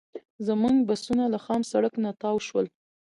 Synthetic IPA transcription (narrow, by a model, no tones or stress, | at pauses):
zəmuŋɡbasunalaxɑmsaɽəknat̪ɑwʃwəl